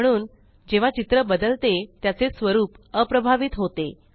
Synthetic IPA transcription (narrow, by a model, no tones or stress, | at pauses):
əɽ̃uːn | d͡ʑeʋ̤at͡ɕit̪ɾəbəd̪əlt̪et̪jat͡sesʋəɾuːp | əpɾəbʱaʋit̪ɦot̪e